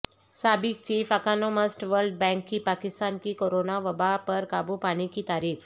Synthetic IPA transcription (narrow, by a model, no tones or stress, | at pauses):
sabik̚t͡ɕiːfəkanoməsʈʋəɾlɖ̚bɛ̃ŋkːiːpakɪst̪ankiːkoɾonaʋəbapəɾkabupaɽ̃ikiːt̪aɾiːf